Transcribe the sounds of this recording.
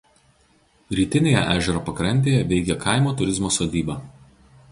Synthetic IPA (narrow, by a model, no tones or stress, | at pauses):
ɾʲiːt̪ʲɪnʲeːjɛ̰ʔæːʒʲɛɾoːpɐkɾɐnʲt̪ʲeːjɛʋʲɛɪɡʲɛkʰɐˑɪmoːt̪ʊɾʲɪzmoːsoːd̪ʲiːbɑː